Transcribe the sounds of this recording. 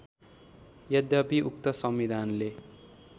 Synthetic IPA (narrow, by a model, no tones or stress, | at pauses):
jʌd̪japiʔuk̚t̪ʌsʌmwid̪ʱanle